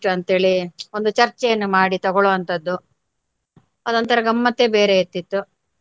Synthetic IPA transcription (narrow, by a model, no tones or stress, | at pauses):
ʈːuɐnt̪ɦe̞ːɭio̞nd̪ut͡ʃɐɾt͡ʃɛjɐnːumaːɽit̪ɐɡɔɭuʋɐnt̪ɐd̪ːu | ɐd̪ɐnt̪ɐɾɐɡɐmːɐt̪ːe̞beːɾeet̪ːit̪ːu